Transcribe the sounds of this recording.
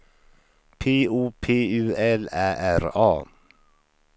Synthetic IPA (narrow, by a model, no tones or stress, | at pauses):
pʰeːuːpʰeːʉːɛlæːʔæɾɑ̰ː